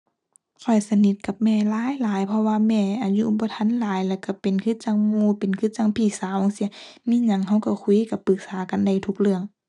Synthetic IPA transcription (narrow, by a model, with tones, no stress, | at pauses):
kʰɔ˨˩jsa˧ni˧˦t̪̚ka˧˦p̚mɛː˧˩laː˧˦˨jlaː˨˦jpʰɔ˧waː˧mɛː˧˩ʔa˨˩ɲu˧ʔbɔː˧˦t̪ʰa˧˥˨nlaː˨˦jlɛː˧˩wka˧˩pe˨nkʰɯ˧˥˦t͡ɕa˧˨ŋmuː˧˨pe˨nkʰɯ˧˦t͡ɕa˧˨ŋpʰiː˧˩saː˨˦ʔo˧˦ŋsi˧˦miː˧˥˨ɲa˧˦ŋɦa˧˩wka˧˩kʰu˧˨ka˧˩˦pːɯ˨˧˦k̚saː˨˦ka˨nda˧˩jt̪ʰu˧˩k̚lɯ˧əŋ